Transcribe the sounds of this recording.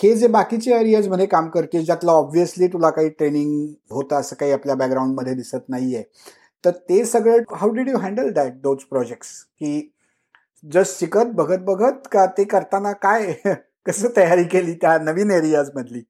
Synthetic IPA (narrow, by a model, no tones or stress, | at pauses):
hed͡zebakit͡ɕeeɾijad͡zm̤əɽekamkəɾt̪id͡ʑjat̪laɔbʋiəsliːt̪ulakaɦiːʈɾeniŋɡɦot̪aəsəːkaɦiːapljabækɡɾaũɳɖməd̪ʱːjed̪isət̪naɦije | t̪əɾt̪esəɡɭəɦawɖiɖjuɦæ̃ɳɖəld̪ɛʈ̚d̪od͡zpɾɔd͡ʑek̚ʈskiː | d͡zəssikət̪̚bəɡʱət̪̚bəɡʱət̪̚kat̪ekəɾt̪anakaj | kəsəːt̪əjaɾiːkeliːt̪janəʋiːneɾiad͡zməd̪ʱliː